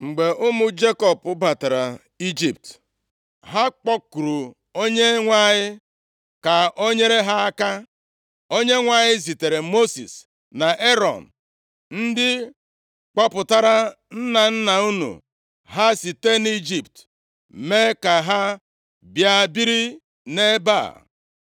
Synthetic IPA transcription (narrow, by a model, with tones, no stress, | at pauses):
ŋ͡m̩˨ɡ͡be˨ʔʊ˦mʊ˦d͡ʒe˦kɔ˨pʊ˦ba˨ta˨ɾa˨ | i˦d͡ʒi˨p̚t | ɦa˦k͡pɔ˦ku˨ɾu˨ | o˦ɲe˦ŋʷa˦ɲɪ˦ | ka˨o˦ɲe˦ɾe˦ɦa˦a˦ka˦ | o˦ɲe˦ŋʷa˦ɲɪ˦zi˨te˨ɾe˨mo˦sḭ˨s | na˨ʔe˦ɾɔ̰˨n̩˨ | n̩˦dɪ˦ | k͡pɔ˦pʊ˨ta˦ɾa˦ | n̩˦na˨n̩˦na˨u˦nṵ˨ | ɦa˦si˨te˦ni˦d͡ʒi˨p̚t | me˦ka˨ɦa˦ | bja˦bi˦ɾi˦ | ne˦ba̰˦˨